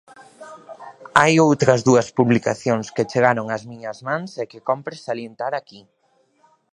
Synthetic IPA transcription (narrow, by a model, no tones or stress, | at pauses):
ajowt̪ɾɐzðuɐspuβlikaθjoŋsket͡ʃeɣaɾoŋɐzmiɲɐzmãŋsɛkekɔmpɾɪsalient̪aɾaki